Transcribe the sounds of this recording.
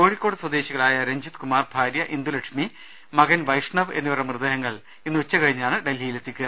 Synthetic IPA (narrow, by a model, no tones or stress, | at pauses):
ko̞ːɻikʲːo̞ːɽɨswɐd̪e̞ːɕiɣɐɭaːjɐɾeɲd͡ʑit̪kumaːrbʱaːɾjɐʔind̪ulekʂmi | mɐɡɐnʋɐjʂɳɐʋe̞nːuʋirɐmrɨd̪ɐjɐŋːɐɭ | inːɨut͡ɕːɐkɐɻiɲːaːɳɨɖelːijilet̪ːikʲːu